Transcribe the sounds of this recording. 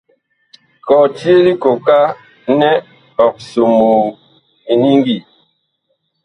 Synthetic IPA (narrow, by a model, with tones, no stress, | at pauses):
kɔ˨ti˦e˦li˦ko˨ka˦ | nɛ˦ | ɔ˨k̚so˨mu˨ | i˨ni˦ŋɡi˦˨